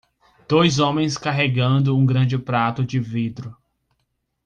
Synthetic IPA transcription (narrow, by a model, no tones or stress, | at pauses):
d̪̥ojzõmẽj̃skaɦeɡɐ̃nd̪ʊũɡɾɐ̃d͡ʒɪpɾat̪ʊd͡ʒɪvid̪ɾʊ